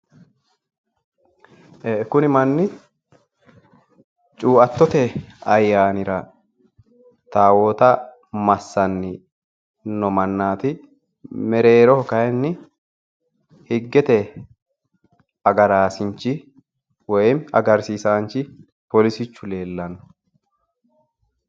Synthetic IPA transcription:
kʊnɪmɐnːɪ | t͡ʃʼuːʔɐt̪ːɔt̪ɛɐjːaːnɪɾɐ | t̪aːwoːt̪ɐ | mɐsːɐnːɪ | nɔmɐnːaːt̪ɪ | mɛɾe̞ːɾɔhɔkɐjɛnːɪ | hɪɡːɛt̪ɛ | ɐɡɐɾaːsɪnt͡ʃːɪ | wɔjmɐ̰ɡɐɾsiːsaːnt͡ʃːɪ | pɔlɪsɪt͡ʃːʊle̞ːlːɐnːɔ̥

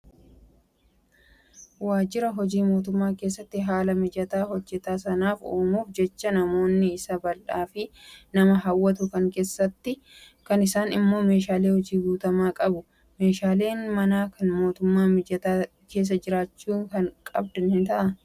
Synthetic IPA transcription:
waːd͡ʒɪɾɐɦɔd͡ʒiːmo̞ːt̪̬ʊmːaːke̞ːsːɐt̪ːɪɦaːlɐmɪd͡ʒɐt̪aːɦɔd͡ʒːɛt̪aːsɐnaːfoːmuːfd͡ʒɛt͡ʃːɐnɐmo̞ːnːɪɪsɐbɐlʔaːfɪnɐmɐɦɐwːɐt̪ʊkɐŋke̞ːsːɐt̪ːɪ | kɐnɪsaːnɪmːo̞ːme̞ːʃaːleːhɔd͡ʒiːɡuːt̪ɐmaːkʼɐbʊ | me̞ːʃaːle̞ːnmɐnaːkʰɐnmo̞ːt̪ʊmːaːmɪd͡ʒɐt̪aː | ke̞ːs̬ːɐd͡ʒɪɾaːt͡ʃːuːŋkɐŋkʼɐ̰b̚d̪ɐnhɪnt̪ɐʔɐ

